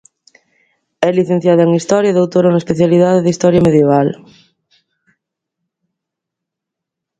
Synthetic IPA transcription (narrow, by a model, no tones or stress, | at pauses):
ɛliθẽn̟θjaðɐeŋist̪ɔɾjaðowt̪oɾonɐespeθjaliðaðeðist̪ɔɾjɐmeðjeβ̞al